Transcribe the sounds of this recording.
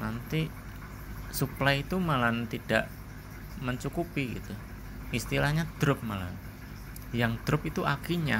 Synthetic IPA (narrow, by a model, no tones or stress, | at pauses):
nant̪i | suplait̪umalant̪id̥aʔ | məɲt͡ʃukupiɡḭt̪u | ʔist̪ilahɲad̪̥ɾʊp̚mala̰n | jaŋd̪̥ɾʊpit̪uʔakiɲa